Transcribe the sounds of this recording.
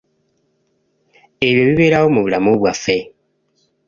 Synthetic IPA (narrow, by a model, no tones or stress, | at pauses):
eβjoβiβe̞ːɾawomuβulamuβwafe̞